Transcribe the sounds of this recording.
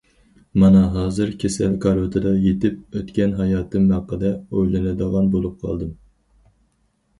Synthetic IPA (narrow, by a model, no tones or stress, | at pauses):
mɑnɑɦɑːzɨɾkʲʰesɛlkʰɑɾot̪ʰɨd̪ɑjet̪ɪp̚øt̪kʲɛnɦɑjɑːt̪ʰɨmmɑqːəd̪ɛojlɪnɪd̪əʁɑnbolˠup̚qʰɑ̰lˠd̪ɨm